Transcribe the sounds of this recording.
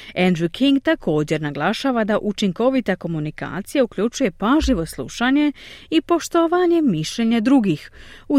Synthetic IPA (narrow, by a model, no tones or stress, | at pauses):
end̪ɾukʰiŋɡt̪akʰo̞ːd͡ʑe̞ɾnaɡlˠaʃaːʋad̪aʔut͡ʃiŋko̞ʋit̪ako̞munika̰ːt̪sijaukʎut͡ʃuje̞paʒiʋo̞slˠṵʃaɲe̞ipo̞ʃt̪oʋaɲe̞miʃʎeɲed̪ɾuɡixu